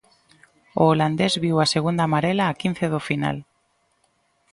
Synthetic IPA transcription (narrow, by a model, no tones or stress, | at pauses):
oːland̪ezβiwaseɣ̞und̪amaɾelaːkin̟θeðofina̰l